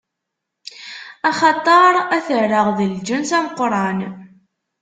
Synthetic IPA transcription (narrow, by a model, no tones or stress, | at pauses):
ɑχɑt̪ˤɑɾˤæθəɾːəʁðəld͡ʒənsæmqːɾˤɑn